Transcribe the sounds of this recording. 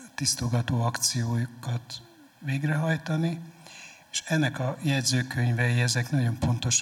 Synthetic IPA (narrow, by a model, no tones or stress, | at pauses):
t̪ist̪ulɡɒt̪oːɒkt̪sijoːjkɒt̪ | ʋeːɡrɛɦɒjt̪ɒni | eʃɛnːɛkɒjɛd̪zøːkø̞ɲvɛjiɛzɛknɒɟo̞mpo̞nt̪o̞ʃ